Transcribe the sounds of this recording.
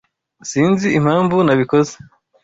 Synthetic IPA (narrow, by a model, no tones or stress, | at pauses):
siːnziim̥haːɱvunaβiko̞ze